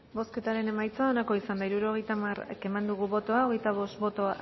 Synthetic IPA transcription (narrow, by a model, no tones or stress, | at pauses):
bo̞ske̞t̪aɾe̞ne̞majt͡saonako̞isand̪aiɾuɾo̞ɣ̞e̞jt̪amara̰ke̞mand̪uɣ̞uβo̞t̪o̞ao̞ɣ̞e̞jt̪aβ̞o̞st̪bo̞t̪o̞a